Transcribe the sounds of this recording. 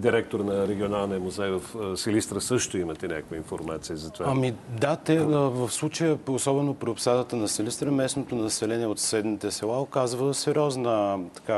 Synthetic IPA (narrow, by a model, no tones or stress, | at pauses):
d̪iɾɛk̚t̪oɾnɐɾɛɡʲionalˠnijəmuzɛjvəfsɛlʲist̪ɾəsɤʃt̪oimət̪ɛnʲakəkvəinfo̰ɾmat̪sijəzɐt̪ovaamid̪at̪ɛvəfslˠut͡ʃəjəosɔbɛnopɾiopsad̪ət̪ənɐsɛlist̪ɾəmɛsnot̪onɐsɛlɛniɛot̪sɛd̪nit̪ɛsɛlˠaokazvəsɛɾʲɔznət̪ɐ̥ka